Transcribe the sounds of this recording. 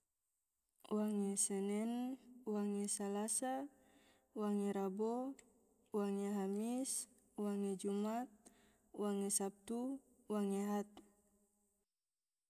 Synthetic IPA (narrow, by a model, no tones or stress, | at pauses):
waŋɛsɛnɛnwaŋɛsalasa | waŋɛɾabo | waŋɛɦamis | waŋɛd͡ʒumat̪̚ | waŋɛsap̚t̪u | waŋeɦat̪̚